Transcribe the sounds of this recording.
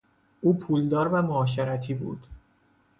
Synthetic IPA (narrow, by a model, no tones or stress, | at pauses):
ʔuːpʰuːld̪ɒːɾvæmoːʃ̬eɾæt̪ʰiːbṵːd̪̥